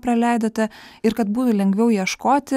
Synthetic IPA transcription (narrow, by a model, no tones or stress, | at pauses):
pɾɐlʲɛɪd̪oːt̪ʲɛɪɾkɐt̪buːt̪ʊlʲɛŋʲɡʲʋʲɛʊjiɛʃkoːt̪ʲɪ